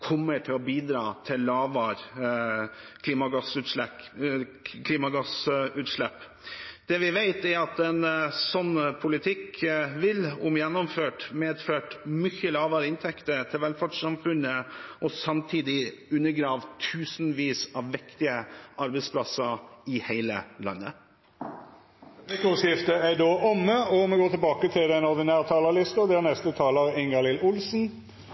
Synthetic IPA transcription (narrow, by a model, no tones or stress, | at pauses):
kʰɔmːəʈʰɪlɔbiːd̪ɾɑːt̪ʰɪlːɑːʋɑɾ | kʰliːmɑɡɑsʉɛ | kʰliːmɑɡɑsʉːt̪ʂlɛpː | d̪̥ɛʋɪʋæɪt̪æɾɑt̪ɛnsɔnːpʰʊlɪt̪ʰɪkʋɪlʊmjɛnːɔmføːʈmeːd̪føːʈmʏçəlɑːʋɑːɾɪnt̪ʰɛkt̪əɾt̪ʰɪlʋɛlfɑɖʂsɑmfʉnəʔɔsɑmt̪ʰiːd̪ɪʉnːəɡɾɑːʋt̪ʰʉːsnʋiːsɑʋːɪkt̪ɪəʔɑɾbɛɪspʰlɑsəɾɪhæɪlə̰lɑ̰nːə | ʋekʊsɪft̪əæɖoːʔɔmːəɔmɛɡoːt̪ɛlbɑːkət̪ʰɪlɛnɔɾd̪ɪnæːɾt̪ʰɑːləlɪst̪əd̪æʁnɛst̪ət̪ʰɑːləɾɪŋɡɑlɪlʊlsn̩